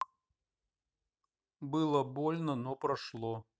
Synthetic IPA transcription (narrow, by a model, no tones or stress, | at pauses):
bɨlˠəbolʲnənɔpɾɐʂlˠɔ